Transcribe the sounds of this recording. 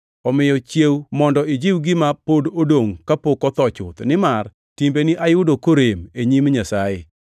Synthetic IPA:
ɔmɪjɔt͡ʃjewmɔndɔɪd͡ʒiwɡɪmapododoŋkapokɔt̪ɔt͡ʃʊt̪nɪmar | timbeniʔajʊdokoɾemeɲimɲasajɪ

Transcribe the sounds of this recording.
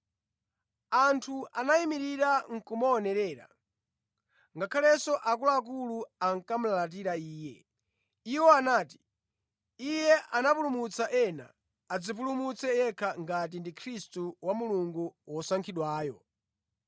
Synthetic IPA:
antʰuʔanaimiɾiɾaŋ̩kumɔːnɛɾɛːɾa̰ | ŋɡakʰalɛsɔʔak̬ulaːk̬uluaŋ̩kam̩lalat̬iɾaiːjɛ | iwɔanaːti̥ | ijɛʔanapulumut͡saʔɛna̰ː | d͡zip̬ulumut͡sɛjɛkʰaŋɡat̬indikʰɾistuwamuluŋɡuwɔsaŋkʰiɗwaːjɔ

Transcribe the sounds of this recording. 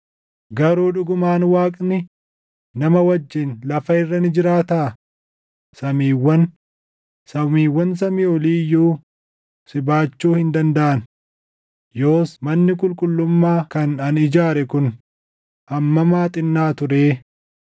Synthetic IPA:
ɡɐɾuːᶑʊɡʊmaːnwaːkʼnɪ | nɐmɐwɐd͡ʒːɪnlɐfɐɪrːɐnɪd͡ʒɪɾaːt̪aː | sɐmiːwːɐn | sɐmiːwːɐns̬ɐmiːɔliːjːuː | sɪbaːt͡ʃːuːhɪnd̪ɐnd̪ɐʔɐn | jo̞ːsmɐnːɪkʼʊlkʼʊlːʊmːaːkɐnɐnɪd͡ʒaːɾɛkʊn | hɐmːɐmaːt̪ʼɪnːaːt̪ʊɾeː

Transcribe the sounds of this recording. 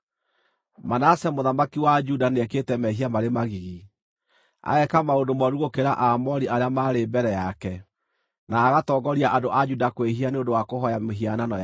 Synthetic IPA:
manasɛmoðamakiwad͡ʒudanɛketɛmɛɦiamaɾemaɣiɣi | a̰ɛkamaondomɔɾuɣokeɾaʔamɔɾiʔaɾeamaɾebɛɾɛjakɛ | naːɣatɔɡɔɾiaʔadoʔad͡ʒudakweɦianeondowakoɦɔjaeɦiananɔj

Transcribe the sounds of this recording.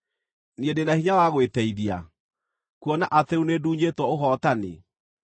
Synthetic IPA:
niedenahiɲawaɣwetɛiðia̰ | kuɔnaʔateuneduːɲetwɔoɦɔtanḛ

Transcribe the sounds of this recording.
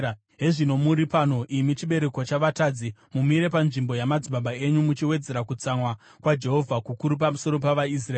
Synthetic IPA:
ɦe̞ʐino̞muɾipano̞ʔimit͡ʃiɓe̞ɾe̞kot͡ʃaʋatad͡zimumiɾe̞panʐimbo̞jamad͡zimbaɓae̞ɲumut͡ʃiwe̞d͡ze̞ɾakut͡samwa | kwad͡ʒe̞ɦo̞vʱakukuɾup̬amuso̞ɾo̞paʋais̬raː

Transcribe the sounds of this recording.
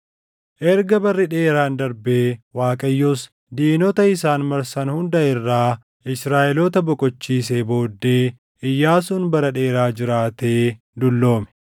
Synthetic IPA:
ʔɛɾɡɐbɐrːɪᶑe̞ːɾaːnd̪ɐɾbe̞ːwaːkʼɐjːɔs | d̪iːnɔt̪ɐɪsaːnmɐɾsɐnhʊnd̪ɐɪrːaː | ʔɪsɾaːʔɛlɔt̪ɐbɔkʼɔt͡ʃːiːs̬eːbo̞ːd̪ːe̞ː | ʔɪjːaːsʊnbɐɾɐᶑe̞ːɾaːd͡ʒɪɾaːt̪eː | d̪ʊlːo̞ːmɛ̥

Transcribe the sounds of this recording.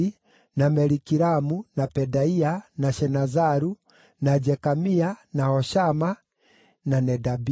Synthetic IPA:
i | namɛɾikiɾamunapɛdaianaʃɛnazaɾu | nad͡ʒɛkamianahɔʃama | nanɛdabi

